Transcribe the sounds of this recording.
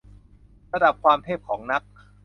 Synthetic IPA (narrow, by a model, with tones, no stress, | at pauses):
ɾa˧da˨˩p̚kʰwaː˧mt̪ʰeː˥˩p̚kʰɔː˩˦ŋna˦˥k̚